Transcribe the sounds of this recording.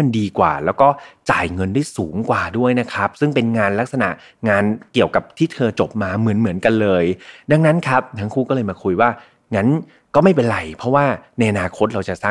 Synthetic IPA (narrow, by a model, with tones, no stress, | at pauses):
a˧ndiː˧kwa̰ː˨˩lɛː˦˥wkɔː˥˩t͡ɕa̰ː˨˩jŋɤ˧ndu˥˩jsuː˩˦ŋkwaː˨˩du˥˩əjna˦˥kʰɾa˦˥p̚sɯ˥˩ŋpe˧nŋaː˧nla˦˥k̚sa˧na̰˨˩ʔ | ŋaː˧nki˨˩əwka˨˩p̚t̪ʰiː˥˩t̪ʰɤː˧t͡ɕo˨˩p̚maː˧mɯ˩˦ənmɯ˩˦nka˧nlɤː˧jda˧ŋna˦˥nkʰa˦˥p̚nʰaː˦˥ŋkʰuː˥˩kɔː˥˩lɤː˧jmaː˧kʰu˧jwaː˥˩ | ŋa˦˥n | kɔː˥˩ma˥˩jpe˧nɾa˧˩jpʰɔ˦˥waː˥˩na˧jʔa˧naː˧kʰo˦˥t̪̚ɾa˧wt͡ɕa˨˩ʔsaː˥˩